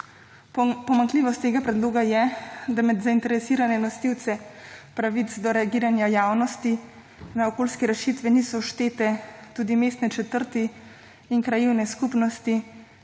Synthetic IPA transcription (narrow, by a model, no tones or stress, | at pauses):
pɔmaŋkliːʋɔst̪ːeːɡapɾɛd̪loːɡajɛd̪amɛd̪zaint̪ɛɾɛsiːɾanɛnɔst̪iwt̪sɛpɾaʋit̪sd̪ɔɾɛaɡiːɾanjajaːwnɔst̪i | naɔkoːlskɛɾɛʃit̪ʋɛniːsɔʃt̪eːt̪ɛt̪uːd̪imeːst̪nɛt͡ʃɛt̪əɾt̪iː | ŋkɾajiwnɛskupnɔst̪i